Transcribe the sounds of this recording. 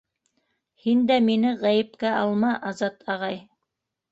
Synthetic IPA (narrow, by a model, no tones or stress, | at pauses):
hind̪æminɘʁæjɘ̆pkæʔɑlˠmɑʔɑzɑt̪ʰɑʁɑj